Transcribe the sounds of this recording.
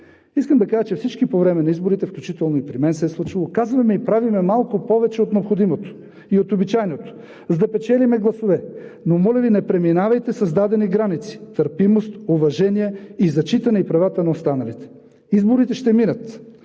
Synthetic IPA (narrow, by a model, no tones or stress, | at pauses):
iskəmd̪ɐkaʒət͡ʃɛfsit͡ʃkipovɾɛmɛnɐizboɾit̪ɛfklʲut͡ʃit̪ɛlˠnoipɾimɛnsɛɛslˠut͡ʃilˠokazvɐmɛipɾavimɛmalˠkʊpɔvɛt͡ʃɛot̪nɛopxod̪imot̪o̥ | iot̪obit͡ʃajnot̪o̥ | zd̪ɐpɛt͡ʃɛlʲimɛɡlˠɐsovɛnomɔlʲɐvinɛpɾɛminavɐjt̪ɛsɐzd̪ad̪ɛniɡɾanit̪si̥t̪əɾpimost̪ovɐʒɛniɛizɐt͡ʃit̪ɐnɛipɾɐvat̪ənɐost̪anɐlit̪ɛ̥ | izboɾit̪ɛʃt̪ɛminət̪